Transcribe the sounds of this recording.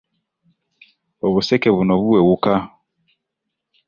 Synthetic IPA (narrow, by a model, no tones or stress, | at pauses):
ɔβusɛkɛβunɔβuwɛwuka